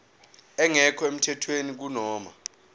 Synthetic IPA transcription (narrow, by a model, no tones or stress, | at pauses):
ɛŋɛkʰɔem̩tʰɛtʰwenik̬unɔːma̰